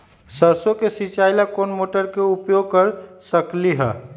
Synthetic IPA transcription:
səɾsokesit͡ʃajlakonmoʈəɾkeupjoɡ̚kəɾsəkliɦɛ̰

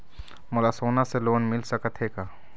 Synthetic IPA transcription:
mʊlasoːnaseloːnmɪlsəkət̪ɦeːkaː

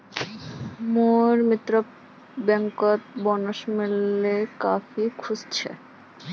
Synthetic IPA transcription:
moɾmit̪ɾo | bɛŋkot̪̚bɔnoʃmilːekafikʰud͡ʑt͡ɕʰe

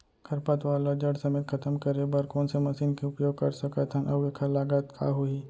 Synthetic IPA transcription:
kʰɐɾpat̪ʋaːlod͡ʒɐɽsɐmeːt̪̚kʰɐt̪əmkɐɾebɐɾkoːnsemɐsiːnkeʊpjoːɡ̚kɐ̰ɾsɐkat̪ʰɐ̃nʔɐbekʰalaːɡat̪kʰa̰ɦʊi

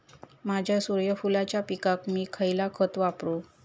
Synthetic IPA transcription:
mad͡ʑʱjasuɾjəfulat͡ɕjapikakmiːkʰəjlakʰət̪ʋapɾu

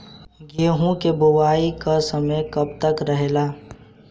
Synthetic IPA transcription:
ɡeːɦũkebʊwaːikasɐməjkɐb̚t̪əkɾɐɦelaː

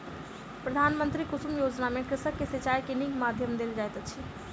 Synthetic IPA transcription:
pɾəd̪ʱanmənt̪ɾikusumjod͡ʒnamekɾɪsəkːesət͡ʃajkeniɡmad̪ʱjəmd̪eld͡ʒajt̪ət͡ʃʰi

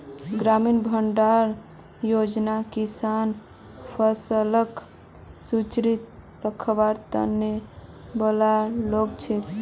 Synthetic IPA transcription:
ɡɾaminbʱəɳɖaɾ | jod͡ʒnakisan | pʰəsələk | sut͡ʃɾit̪ | ɾəkʰbaɾt̪ə̰nːebəlalok̚t͡ʃʰe

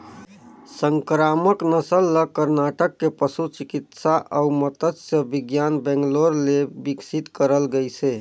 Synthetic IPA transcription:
səŋkɾaməknəsəlːəkəɾnaʈəkːepəsut͡ʃikit̪saʔəumət̪ət̪səbiɡjanbɛ̃ŋɡloɾlebiksit̪kəɾəlɡəjse

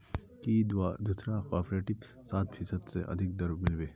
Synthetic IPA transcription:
kiad̪usɾakɔːɾpɾeːʈɪb | saːt̪pʰiːsəd̪sḛʔɐ̰d̪ʱɪk̚d̪ɐɾbmɪlʋeː

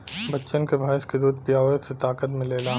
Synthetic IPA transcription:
bɐtːʃənkebʱaːɪʃked̪uːd̪̚ʱpjaːʋəset̪aːkət̪mɪ̃leːlaː

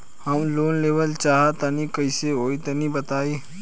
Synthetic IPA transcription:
hɐmloːnleːʋəlt͡ʃaːɦat̪ɐnikɐɪseɦoːit̪ɐnibɐt̪aːiː

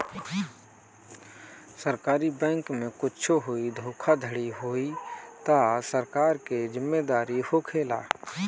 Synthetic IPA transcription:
səɾkaːɾibɛ̃ːŋkmẽkʊt͡ʃʰoɦoid̪ʱoːkʰad̪ʱəɽiɦoːit̪asəɾkaːɾkezɪmːed̪aːɾihokʰeːla̰ː

